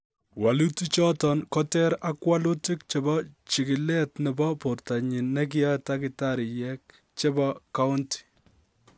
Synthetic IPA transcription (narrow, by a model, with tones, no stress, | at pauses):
wa˨lu˦tu˦t͡ʃɔ˦tɔ˨nkɔ˦tɛ˦ɾa˦kwa˦lu˦ti˦k̚t͡ʃe˨bɔ˦t͡ʃi˨kɪ˨lɛ˦tnɛ˨bɔ˦po˨rta˨ɲi˨nːɛ˦k̬ɪ˦jɔ˦ta˦kɪ˨ta˦ɾi˨jɛ˦k̚ | t͡ʃe˦baka˦ʊ˦nti̥˨